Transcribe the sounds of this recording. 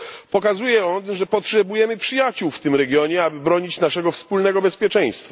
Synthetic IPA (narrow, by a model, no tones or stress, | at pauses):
pɔkazujɛɔnʐɛpɔtʂɛbujɛmɘpʂɘjat͡ɕuwft̪ɘmɾɛɡʲjɔɲɛabɘbɾɔɲit͡ɕnaʂɛɡɔfspulnɛɡɔbɛspʲjɛt͡ʂɛ̃j̃st̪fa